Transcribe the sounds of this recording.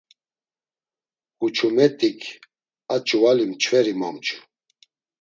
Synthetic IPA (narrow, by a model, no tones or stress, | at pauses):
hut͡ʃʰumɛt̪ʼikʰ | at͡ʃʼuvalimt͡ʃʰvɛɾimamt͡ʃʰu̥